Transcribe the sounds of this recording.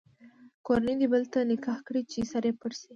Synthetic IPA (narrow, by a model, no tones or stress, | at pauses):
koɾanid̪ibəlt̪anɪkɑhkɽit͡ʃisaɾepəɽsi